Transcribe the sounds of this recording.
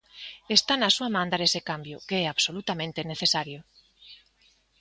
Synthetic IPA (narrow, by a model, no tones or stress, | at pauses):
est̪anasuamãnd̪aɾesekambjʊkeɛaβsolut̪amẽnt̪eneθesaɾjo